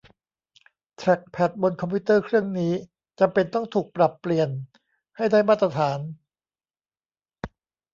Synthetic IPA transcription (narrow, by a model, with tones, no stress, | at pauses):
t̪ʰɾɛ˨˩k̚pʰɛ˨˩t̪̚bo˧nkʰɔ˧mpʰiː˦˥t̪ːɤː˥˩kʰɾɯ˥˩əŋniː˦˥ | t͡ɕa˧mpe˧nt̪ɔ˥˩ŋt̪ʰuː˨˩k̚pɾa˨˩pːli˨˩ən | ha˥˩jdaː˥˩jmaː˥˩t̪̬ːɾa˧t̪ʰaː˩˦n